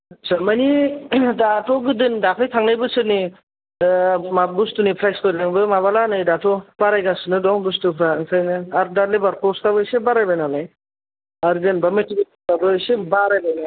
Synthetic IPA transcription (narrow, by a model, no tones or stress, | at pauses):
t͡ʃamanidatʰɔɡɯdɯndapʰɯjtʰaŋnajbɯsɯni | mabustunipʰɾajskoɾaŋbɯmaβalanɯjdatʰɔb̥aɾajɡasɯnɯdɔŋbustupʰɾaŋsʰajnɯaɾdalebaɾkɔstʰabɯsebaɾajbajnalaj | aɾdɯnbametibi | tabɯsebaɾajbana